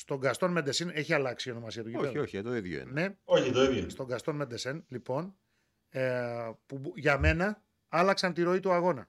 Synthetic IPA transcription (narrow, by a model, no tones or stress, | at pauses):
st̪o̞ŋɡɐst̪o̞nmed̪esene̞çiɐlɐksio̞no̞mɐsiɐt̪uʝiooçt̪oiðʝo̰ne̞oçit̪oivjost̪o̞ŋɡɐst̪onmed̪e̞senlipo̞n | puʝɐme̞nɐ | ɐlɐksɐnt̪iɾo̞it̪uɐɣo̞nɐ